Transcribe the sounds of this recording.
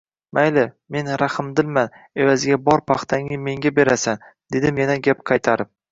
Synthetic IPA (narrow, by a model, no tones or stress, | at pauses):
majlɪ | me̞nɾahɪmd̪ɪlman | e̞vazɪɡʲabɒɾpʰɑχt̪ʰaŋɪme̞ŋɡʲabe̞ɾasand̪e̞d̪ɪmjanaɡʲapqʰɑjt̪ʰaɾɪm